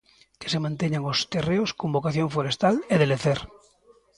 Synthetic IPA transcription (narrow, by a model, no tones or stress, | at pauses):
kesemãnt̪eɲaŋost̪ereoskombokaθjo̞ɱfoɾest̪aleðeleθeɾ